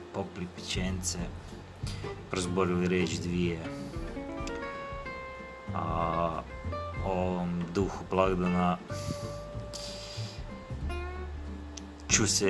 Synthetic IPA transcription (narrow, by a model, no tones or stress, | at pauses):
poplipit͡ʃent̪se | pɾozboɾiliɾeːt͡ʃd̪ʋije | a | ooʋomd̪uxublˠaɡd̪ana | t͡ʃusɛ